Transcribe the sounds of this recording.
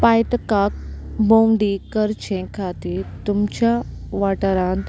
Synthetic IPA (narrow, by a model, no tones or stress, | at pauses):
paːjt̪kaːk̚bõwɖikəɾt͡ʃʰẽkʰaːt̪it̪umt͡ʃãʋaːʈəɾãːnd̪